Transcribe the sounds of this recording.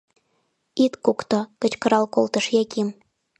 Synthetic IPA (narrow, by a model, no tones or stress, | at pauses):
it̪kukt̪ŏkə̆t͡ɕkɤ̆ɾɑlkolˠt̪ə̆ʃjækʲim